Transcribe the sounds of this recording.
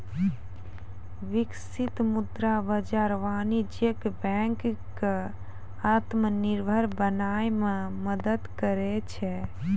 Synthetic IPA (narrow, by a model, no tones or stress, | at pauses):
ʋiksit̪mud̪ɾabəd͡ʒaɾʋaːnid͡ʒekbɛŋkke | at̪məniɾbʱəɾbənaːjmẽməd̪əd̪kəɾɛt͡ʃʰɛ